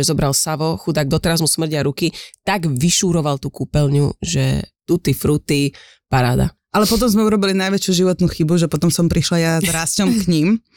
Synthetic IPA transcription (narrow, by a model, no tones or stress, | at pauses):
ɛzɔbɾalsaʋɔxud̪aɡ̚d̪ɔt̪ɛɾazmusmr̩ɟɪaɾukit̪aɡʋiʃuːɾɔʋalt̪ukuːpɛlɲṵʒɛ̰t̪ut̪ifɾut̪i | paɾa̰ːd̪a̰ | ʔalɛpɔt̪̬ɔmzmɛuɾɔbilinajʋɛt͡ʃjuʒiʋɔt̪nuxibuʒɛpɔt̪ɔmsɔmpɾiʃlajazɾascɔmkɲim